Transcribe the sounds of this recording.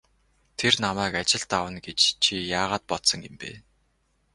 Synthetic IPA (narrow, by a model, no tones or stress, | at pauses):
t̪ʰernamæːkat͡ɕɪ̆ɮt̪awə̆nɡet͡ɕt͡ɕʰijaːʁaːt̪̚pɔt̪sɞ̆ŋempḛː